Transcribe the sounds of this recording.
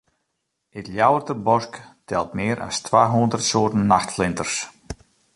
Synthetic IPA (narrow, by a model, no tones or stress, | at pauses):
ɪt̪ljawərt̪əbɔsktʰɛlˠtmɪːɾʔa̰stʰʋaːɦund̪ərt̪soːtn̩ːaxtflɪnt̪ərs